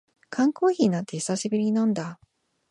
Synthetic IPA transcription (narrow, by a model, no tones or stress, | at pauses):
kʰãŋko̞ːçinat̪ːe̞çi̥saɕibɯ̟ɾʲiinõnd̪a